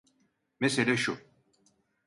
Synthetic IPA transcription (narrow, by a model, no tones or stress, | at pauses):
meselʲɛʃu